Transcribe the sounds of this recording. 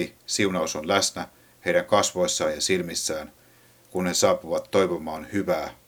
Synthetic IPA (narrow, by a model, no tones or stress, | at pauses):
isiunɑusonlæsnæ | heiɾæŋkɑsʋo̞jsːɑːjɑsilmisːæːn | kunnesɑːpuʋɑt̪ːojʋomɑːnhyʋæː